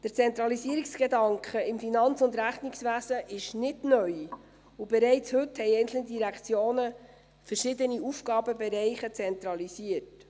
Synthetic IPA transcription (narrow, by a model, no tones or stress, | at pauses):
d̥əɾt͡sɛnt̪ɾɑlisiːəɾiksɡ̥edɑŋkχəɪmfinɑnt͡sʊnd̪ɾæχnɪksʋæzəʔɪʃnɪdnœʏ | ubɛɾɛɪt͡shɵthɛjɛɪnt͡sl̩nəd̪iɾækʰt͡sjoːnə | fəɾʃɪd̪əniufɡɑːbəbɛɾɛɪχət͡sɛnt̪ɾɑlisiəɾt